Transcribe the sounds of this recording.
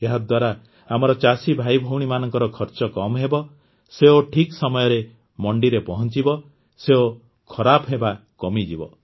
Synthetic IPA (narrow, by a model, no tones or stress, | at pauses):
eɦad̪waɾa | amɔɾɔt͡ʃasibʱajbʱɔwɽ̃imanɔŋkɔɾɔkʰɔɾt͡ʃɔkɔmɦebɔ | seoʈʰiksɔmɔjɔɾe | mɔɳɖiɾepɔɦɔnt͡ʃibɔ | seo | kʰɔɾapɦebakɔmid͡ʒibɔ̰